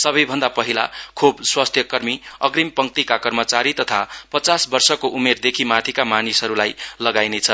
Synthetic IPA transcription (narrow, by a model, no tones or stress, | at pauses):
sʌbʌjbʱʌnd̪apʌɦila̰kʰubswast̪ʰjʌkʌrmiʌɡrimpʌŋt̪ikakʌrmʌt͡saɾit̪ʌt̪ʰapʌt͡sasbʌrsʌkoʔumerd̪ekʰimat̪ʰikamanisɦʌɾulajlʌɡajnet͡sʰʌ